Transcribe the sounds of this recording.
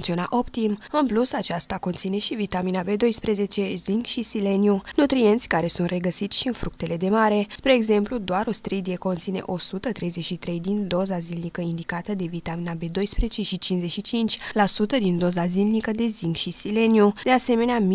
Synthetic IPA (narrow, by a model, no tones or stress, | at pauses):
t̪sio̞na̰ʔo̞pt̪imɨnplusat͡ʃast̪ako̞nt̪sine̞ʃivit̪aminabe̞d̪o̞jspɾe̞ze̞t͡ʃe̞ziŋɡʃisile̞niunut̪ɾie̞nt̪sʲkaɾe̞sunt̪re̞ɡəsit̪sʲʃiɨnfɾuk̚t̪e̞le̞d̪e̞maɾe̞spɾe̞ːɡze̞mplud̪oaɾo̞st̪ɾid̪ie̞ko̞nt̪sine̞̰ʔo̞sut̪ət̪ɾe̞jze̞ʃit̪ɾe̞jd̪ind̪o̞zazilnikəind̪ikat̪əd̪e̞vit̪aminabe̞d̪o̞jspɾezet͡ʃe̞ʃit͡ʃinszeʃit͡ʃint͡ʃʲlasut̪əd̪ind̪o̞zazilnikəd̪e̞ziŋɡʃisile̞niud̪e̞ase̞me̞neam